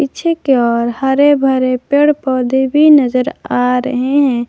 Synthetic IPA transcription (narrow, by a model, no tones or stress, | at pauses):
it͡ʃʰekeɔːɾhəɾebʱəɾepeːɽpɔːd̪ʱebʱinəzəɾaɾə̰ɦeɦɛ̃